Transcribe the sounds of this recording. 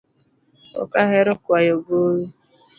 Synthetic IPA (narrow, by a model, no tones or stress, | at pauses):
ɔ̰kaɦeɾʊkwajoɡoɾu